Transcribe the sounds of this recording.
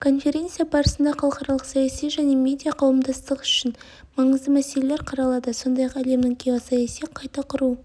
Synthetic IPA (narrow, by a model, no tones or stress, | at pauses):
kʰo̞nfʲe̞ɾʲe̞nt̪sɨjabɑɾəsənd̪ɑχɑlˠəqχɑɾɑlˠəqsɑjɑsijʒæne̞mʲe̞d̪ijaqʰɑwəmd̪ɑst̪əqʏʃɪn | mɑɴəzd̪əmæse̞le̞le̞ɾqʰɑɾɑlˠɑd̪əso̞nd̪ɑjɑqæle̞mnɪŋkʲʰewɑsɑjɑsijqʰɑjt̪ɑqʰʊɾu